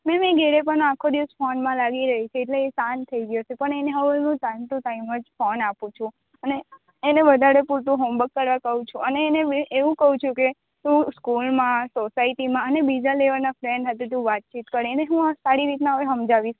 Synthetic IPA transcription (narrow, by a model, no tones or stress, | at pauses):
mɛ̃mẽɡeɾep̬əɳakʰod̪iʋsfɔnmãlaɡiɾəɦit͡ʃʰeːʈleːsãnt̪ʰəiɡjosepəɳeneɦəʋeeũt̪ãnt̪ũʈaiməd͡ʒfɔnapũt͡ʃʰũ | əneː | neʋəd̪ʱaɾepuɾt̪ũɦombəkːəɾʋakəɦũt͡ʃʰũəneːneʔeʋũkəɦũt͡ʃʰũke | t̪ũskulmãsosaiʈimãənebid͡ʒaleʋəɾnafɾeɳɖɦət̪et̪̬ũʋat̪̚t͡ʃit̪kəɾeəneɦũasaɾiɾit̪naɦʋeɦəmd͡ʒaʋis